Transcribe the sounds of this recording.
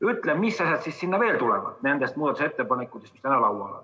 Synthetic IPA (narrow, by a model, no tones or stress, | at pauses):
yt̪ːlemmisːɑsʲjɑt̪sissinːæʋeːlt̪ulḛʋɑ̰t̪neænd̪æst̪muɑt̪set̪ːepɑnekːut̪esmyst̪ænælɑwwˑɑlɑ̰n